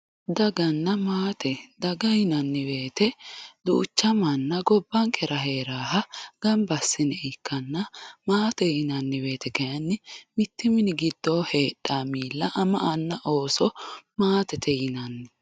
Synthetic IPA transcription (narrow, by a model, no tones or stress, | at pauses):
d̪ɐɡɐnːɐmaːt̪ɛd̪ɐɡɐjɪnɐnːɪbe̞ːt̪ɛd̪ṵːt͡ʃːɐmɐnːɐɡɔbːɐŋkʰɛɾɐɦe̞ːɾaːhɐɡ̥ɐmbɐsːɪnɛʔɪkːɐnːɐmaːt̪ɛjɪnɐnːɪbe̞ːt̪ɛkɛjɐnːɪmɪt̪ːɪmɪnɪɡɪd̪ːoːhe̞ːɗːaːmiːlːɐʔɐmɐʔɐnːɐʔo̞ːsɔmaːt̪ɛt̪ʰɛjɪnɐnːɪ